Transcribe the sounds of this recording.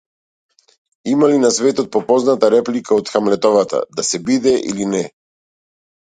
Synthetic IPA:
imalinasvɛt̪ɔt̪̚pɔpɔznat̪aɾɛplikʰaɔt̪xamlɛt̪ɔvat̪a̰d̪asɛbid̪ɛʔḭlinɛ

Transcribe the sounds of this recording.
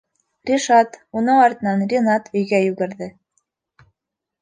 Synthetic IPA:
rʲiʃɑt̪unɤɴɑɾt̪ɤ̆nɑnrʲinɑt̪ɵ̆jɡæjʉɡɘ̆ɾðɘ

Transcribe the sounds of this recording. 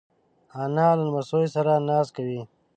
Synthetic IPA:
aːnaːlənmɐsoːjsaɾanaːskawi

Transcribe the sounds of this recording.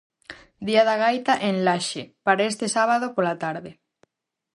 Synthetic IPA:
d̪iaðaɣajt̪aʔenlaʃepaɾaest̪esaβaðopolat̪aɾðɪ

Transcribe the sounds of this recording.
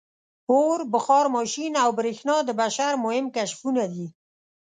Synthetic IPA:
oɾbʊxɑɾmɑʃinawbɾexnɑd̪əbaʃaɾmʊhɪmkaʃfunad̪i

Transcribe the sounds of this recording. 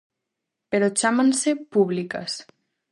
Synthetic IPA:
peɾot͡ʃamansepuβlika̰s

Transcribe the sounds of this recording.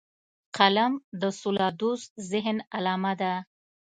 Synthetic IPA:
qʰalamd̪əsulɑd̪uszɪɦnalɑmad̪a

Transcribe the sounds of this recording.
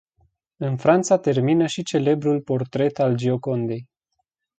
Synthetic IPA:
ɨnfɾant̪sat̪e̞rminəʃit͡ʃe̞le̞bɾulpo̞rt̪ɾe̞t̪ald͡ʒio̞ko̞nd̪e̞j

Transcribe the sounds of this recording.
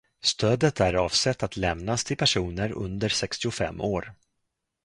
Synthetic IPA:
st̪ʰøːd̪ət̪æɾɑːvsɛt̪ːat̪lɛmnast̪ʰɪlpʰæʂuːnəɾɵ̰nd̪əɾsɛkst̪ɪʊfɛ̰mːʔoːɾ

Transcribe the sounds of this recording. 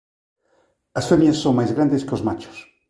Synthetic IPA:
asfemjasːoŋmajzɣɾand̪eskeozmat͡ʃo̥s

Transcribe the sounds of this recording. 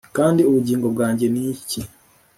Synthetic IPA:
kaːndioβuɟiːŋɡoβwaːɲɟe̞nici

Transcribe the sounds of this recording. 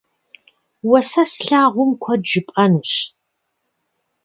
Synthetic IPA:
wɐsɐsɬaːʁʷʊmkʷʰɔd͡ʒɨpʼɐnuːɕ

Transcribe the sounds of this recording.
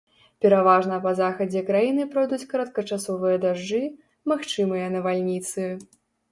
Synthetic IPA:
pʲɛɾavaʐnɐpɐzaxɐd͡zʲɛkɾajinɨpɾɔjd̪ut͡sʲkɐɾɐt̪kɐt͡ʂasɔvɨjɐd̪aʐd͡ʐɨ | maxt͡ʂɨmɨjɐnɐvalʲnʲit̪sɨ

